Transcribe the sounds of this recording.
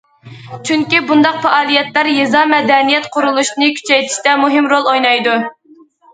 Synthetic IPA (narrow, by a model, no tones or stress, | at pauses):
t͡ʃʰyŋkʲibund̪ɑq̚fɛʔɑːlˠijɛt̪læɾjezɑmɛd̪ɛnijɛt̪qʰʊɾulˠuʃnɨkʲʰy̥t͡ʃʰɛjt̪ʰi̥ʃt̪ɛmuɦɪmɾolˠojnɑjd̪u